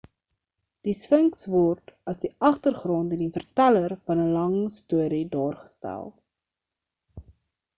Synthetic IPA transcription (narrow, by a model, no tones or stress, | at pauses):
d̥iswəŋksvɔrtɐsdiʔɐχtərχrɔntəndifərtælərfɐnəlɐŋstuəɾidɑːrχə̥stæ̰lˠ